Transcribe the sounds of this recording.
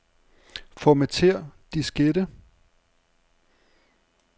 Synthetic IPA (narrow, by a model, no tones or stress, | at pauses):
fɒmæt͡sʰe̝ɐ̰d̥isɡ̥ed̥ə